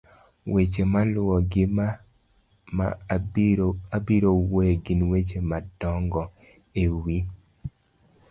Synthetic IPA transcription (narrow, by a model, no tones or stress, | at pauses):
wet͡ʃemalʊɔɡɪma | ma̰ | abiɾowoɡɪnwet͡ʃemadɔŋɡɔ | ewi